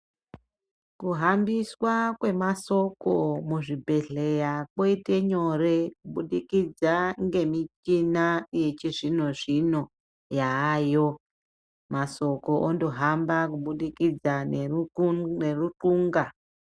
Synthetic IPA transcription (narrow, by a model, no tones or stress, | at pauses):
kuɦambiswakwe̞maso̞komuʐibʱe̞ɮe̞jakwoite̞ɲo̞re̞kuɓuɗikid͡zaŋɡe̞mit͡ʃinaje̞t͡ʃiʐino̞ʐino̞ | jaːjo̞ | maso̞ko̞ʔondoɦambakuɓuɗikid͡zane | nerutuːŋɡa